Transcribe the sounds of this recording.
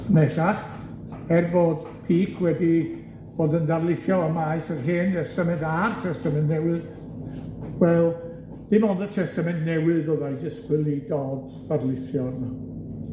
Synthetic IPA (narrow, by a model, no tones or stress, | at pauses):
nɛθaχ | ɛrboːd̥ | pʰiːkʰwɛdi | b̥oːdəndarlˠɪθjɔəmajsərɦɪːndɛstəmɛntartʰɛstəmɛ̃ntnɛwɨð | wɛlˠ | d̥imondətʰɛstəmɛntnɛwɨðɔðajd͡ʒəskwɨlˠidɔːd | d̥arlˠɪθjɔrna